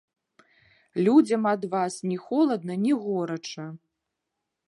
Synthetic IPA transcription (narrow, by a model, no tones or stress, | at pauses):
lʲud͡zʲɐmɐd̪vasnʲɛxɔlˠɐd̪̚nɐnʲɛɣɔɾɐt͡ʂɐ